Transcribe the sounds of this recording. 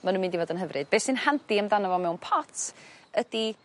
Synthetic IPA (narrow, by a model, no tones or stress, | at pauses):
manũnmɪndivɔdənɦəvrʔɨd̚b̥eːsɨnhandiəmðanavɔmɛwnpʰɔtʰəd̥i